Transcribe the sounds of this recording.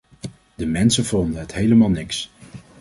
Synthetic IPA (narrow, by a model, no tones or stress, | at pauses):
d̥əmɛnsəv̥ɔndənɦətɦejləmaːlˠnɪks